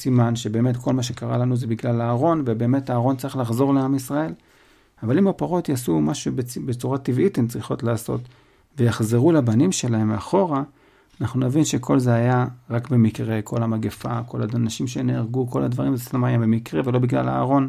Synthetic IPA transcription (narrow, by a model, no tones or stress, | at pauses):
simanʃebe̞ːme̞tkʰo̞lmaʃe̞kaʁalanuzebiɡlalaːʁo̞nvebe̞ːme̞taːʁo̞nt͡saʁiχlaχzo̞ʁleamisʁae̞l | avalimapaʁo̞tjasumaʃubbet͡suʁativʔitemt͡sʁiχo̞tlaːso̰t | ve̞jaχzeʁulabanimʃe̞lae̞maχo̞ʁaː | naχnunavinʃe̞kʰo̞lzeajaʁakbe̞mikʁe̞kʰolamaɡefa̰ko̞lanaʃimʃeneaʁɡuko̞ladvaʁimzestamaajabe̞mikʁevelo̞biɡla̰la̰ːʁo̞n